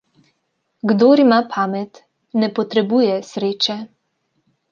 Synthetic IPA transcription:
ɡd̪oːɾimapʰamɛt̪ | nɛpɔt̪ɾɛbujɛsɾeːt͡ʃɛ

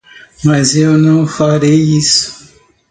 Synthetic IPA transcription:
mazewnũfaɾeisu̥

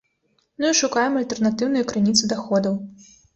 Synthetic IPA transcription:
mɨiʂukajɛmɐlʲt̪ɛrnat̪ɨwnujukɾɨnʲit̪sɨd̪axɔd̪ɐw

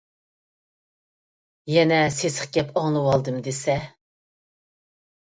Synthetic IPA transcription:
jɛnɛsesə̥χɡʲɛpɑŋlˠɨwɑlˠd̪ɨmd̪esɛ

